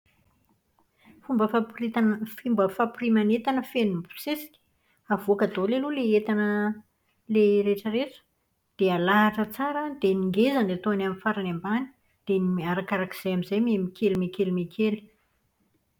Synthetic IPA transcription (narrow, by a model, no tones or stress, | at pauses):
fumbəfaifimbəfaprimanet̪anəfenumpu̥sesi̥kʲə̥ | avuakad̪oleluleet̪anə | leɾeʈ͡ʂəɾeʈ͡ʂə̥ | d̪̥ealaːʈ͡ʂət͡saɾəd̪eniŋɡezanet̪oanamifaɾanembani̥ | d̪̥eniaɾakaɾaki̥z̥ejamizajmemikʲʰelimekelimekʰeli̥